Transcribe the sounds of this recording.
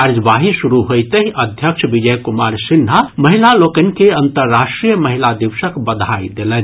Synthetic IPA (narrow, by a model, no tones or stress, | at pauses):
aɾd͡ʒbaɦisuɾuɦojt̪əɦiʔəd̪ʱjəkʃʰbid͡ʒəjkumaɾsinɦaməɦilalokən̆keənt̪əɾːaʃʈɾijəməɦilad̪iʋsəkbəd̪ʱajd̪elən